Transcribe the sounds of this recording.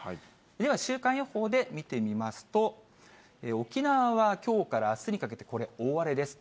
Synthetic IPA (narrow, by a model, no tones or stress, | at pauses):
hai | d̪e̞β̞aɕɨːkãɰ̃jo̞ho̞ːd̪e̞mʲit̪e̞mʲimasɨ̥t̪o̞ | eo̞kʲinaβaβakʲo̞ːkaɾaːsɨɲ̟ikake̞t̪e̞̥ko̞ɾe̞o̞ːβaɾe̞d̪e̞sɨ̥